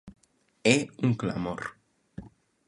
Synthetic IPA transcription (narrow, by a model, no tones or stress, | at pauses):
euŋkla̰moɾ